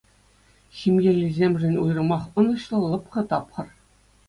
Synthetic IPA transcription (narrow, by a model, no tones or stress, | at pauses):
ximjĕlʲizʲemʲʐɘ̆nʲujɾɤ̆mɑχɤ̆nɤ̆ɕlˠɤ̆lˠɤ̆pχɤ̆t̪ɑpχɤ̆r